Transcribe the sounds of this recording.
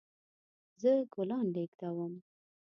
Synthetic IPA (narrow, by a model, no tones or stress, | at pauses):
zəɡolɑnɖekd̪awəm